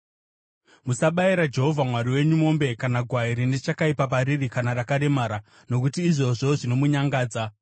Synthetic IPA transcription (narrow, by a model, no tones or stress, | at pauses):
musaɓaiɾad͡ʒe̞ɦo̞vʱamwaɾiwe̞ɲumo̞mbe̞kanaɡʱwaiɾine̞t͡ʃakaipapaɾirikanarakaɗe̞maːɾa | no̞kutiːʐo̞ʐo̞ʐino̞muɲaŋɡaːd͡za